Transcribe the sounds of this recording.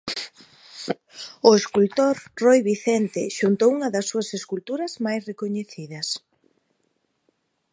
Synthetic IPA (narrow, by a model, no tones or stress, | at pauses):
ʊeskult̪oɾrojβiθɛnt̪eʃunt̪owuŋɐðɐsːuɐseskult̪uɾɐzmajsrekoɲeθiðɐs